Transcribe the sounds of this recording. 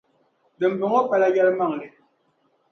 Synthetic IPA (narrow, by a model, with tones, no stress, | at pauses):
dɛ˨m̩˨bə˨ŋɔ˦pa˨la˨˦ja˦lma˦˨ŋ˨le˨